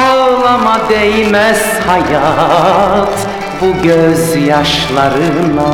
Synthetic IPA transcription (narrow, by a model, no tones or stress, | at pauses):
olˠɑmɑd̪ejmæz | hɑjɑ | t̪ | buɡøzjɑʃlˠɑɾɯna